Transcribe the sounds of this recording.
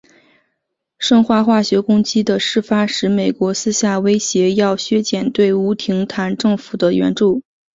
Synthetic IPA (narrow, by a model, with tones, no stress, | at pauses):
ʂɤ˥˧ŋxwa˥˧xwa˥˩ɕɥɛ˧˥kʊ˥ŋt͡ɕi˥d̪ə˨ʂɻ̩˥˩fa˥ʂɻ̩˧˥me˨˩ɪkwɔ˧˥sɹ̩˥ɕja˥˩we˥ɪɕjɛ˧˥jɑ˥˩ʊɕɥɛ˥t͡ɕjɛ˨˩nt̪we˥˩ɪu˧˥t̪ʰi˧˥ŋt̪ʰa˧˥nʈ͡ʂɤ˥˩ŋfu̥˨˩d̪ə˦ɥɛ̰˧˥nʈ͡ʂu˥˩